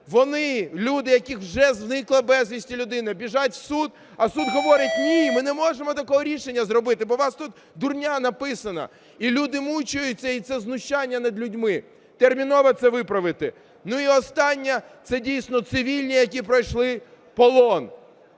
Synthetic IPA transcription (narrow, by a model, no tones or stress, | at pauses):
ʋɔnɪlʲud̪ɪjɐkʲixwʒɛznɪklˠɐbɛzʋʲisʲtʲilʲʊd̪ɪnɪbʲiʒatʲsud̪ | ɐsud̪ɦɔʋɔɾɪtʲnʲimɪnɛmɔʒemɔt̪ɐkɔɦɔɾʲiʃenʲːɐzrɔbɪt̪ɪbɔʋɑst̪ut̪ | d̪ʊrnʲanɐpɪsɐnɐ̰ | ilʲud̪ɪmut͡ʃʊjʊt͡sʲːɐit̪sɛznʊʃt͡ʃːanʲːɐnɐd̪lʲʊdʲmɪ | t̪ermʲinɔʋɐt̪sɛʋɪpɾɐʋɪt̪ɪ | nuiɔst̪ɑnʲːɛ | t̪sɛdʲijsʲnɔt̪sɪʋʲilʲnʲijɐk̬ʲipɾɐjʃlˠɪ | pɔlˠɔn